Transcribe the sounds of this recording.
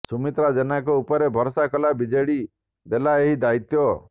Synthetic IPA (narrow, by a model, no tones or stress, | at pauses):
sumit̪ɾad͡ʒenakɔupɔɾebʱɔɾɔsakɔlabid͡ʒeɽi | d̪elaeɦid̪ait̪jɔ